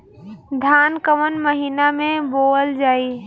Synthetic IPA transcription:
d̪ʱaːnkəmənməɦiːnamẽboːəld͡ʒaːiː

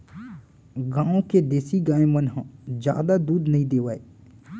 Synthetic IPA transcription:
ɡãːõked̪eːsiɡãːẽmənɦãd͡ʒja̰ːd̪ad̪uːd̪nɐɦĩd̪eːʋaːe

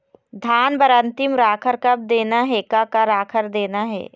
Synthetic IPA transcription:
d̪ʱaːnbɐɾə̃nt̪ɪmɾaːkʰəɾkɐb̚d̪eːnaɦɛːkakaɾaːkʰəɾd̪eːnaɦɛ̰ː

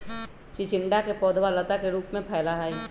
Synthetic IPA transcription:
t͡ʃɪt͡ʃɪɳɖakepɔːd̪ʱwalət̪akeɾuːpmẽpʰɛːlaɦai

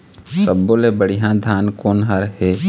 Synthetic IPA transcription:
səbːolebəɽ̤ijãd̪ʱaːnkoːnɦəɾɦe

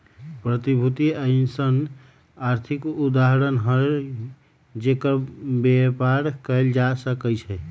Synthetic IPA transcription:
pɾət̪ibʱut̪iəɪnsən | aɾt̪ʰikud̪aɦɾənɦəɾ | d͡ʒekəbepaɾkəjld͡ʒasəkəjt͡ʃʰɛ

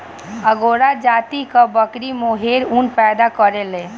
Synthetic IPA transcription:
əɡoɽad͡ʒaːt̪ikabəkɾimoɦeɾunpɛːd̪akəɾelẽ

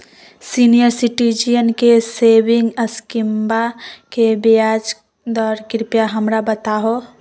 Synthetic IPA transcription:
sinijəɾsiʈid͡ʒijənkesebɪ̃ŋɡəskimbakebjad͡ʒ | d̪ɔːɾkɾɪpjaɦəmɾabət̪aɦo

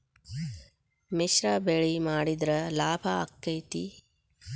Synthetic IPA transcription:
miʃɾɐbeɭimaːɽid̪ɾɐlaːbʱɐːkːɐjt̪i

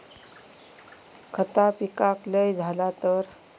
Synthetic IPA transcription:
kʰət̪apikakləjd͡zʱalat̪əɾ

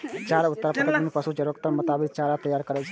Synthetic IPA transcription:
t͡ʃaɾaʊt̪ːəɾapək̪mnipəsud͡ʒəɾəkt̪əɾmʊt̪aːbikt͡ʃaɾat̪əjaːɾkəɾɛt͡ʃʰ

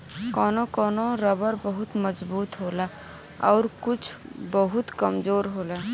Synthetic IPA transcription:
kɔːnokɔːnoɾɐbəɾbəɦʊt̪məzbuːt̪ɦoːla | ɔːɾkʊt͡ʃʰbəɦʊt̪kəmzoːɾɦoːlaː

